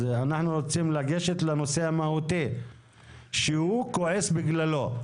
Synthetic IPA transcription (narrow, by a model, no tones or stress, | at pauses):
eanaħnuʁot͡simlaɡe̞ʃet̪leno̞se̞amahut̪i | ʃehukoʕesbiɡlalo̞